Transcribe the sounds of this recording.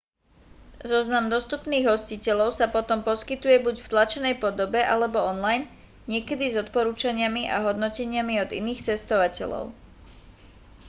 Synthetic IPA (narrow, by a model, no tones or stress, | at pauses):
zɔznamd̪ɔst̪upniːɣɦɔscicɛʎɔʊsapɔt̪ɔmpɔskit̪ujɛbuɟft̪lat͡ʃɛnɛjpɔd̪ɔbɛʔalɛbɔɔnlajn | ɲɪɛkɛd̪izɔt̪pɔɾuːt͡ʃaɲɪamiʔa̰ɦɔd̪nɔcɛɲɪamiɔd̪ḭniːxt͡sɛst̪ɔʋacɛ̰ʎɔ̰ʊ